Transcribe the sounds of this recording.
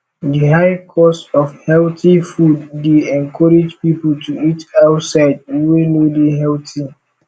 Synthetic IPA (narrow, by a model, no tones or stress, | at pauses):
dihaɪkʰɔstɔfhɛltifudːeɛ̃nkʰɔɹed͡ʒpipl̩tʰuitaʊtsaɪd̚wenodeɦɛlti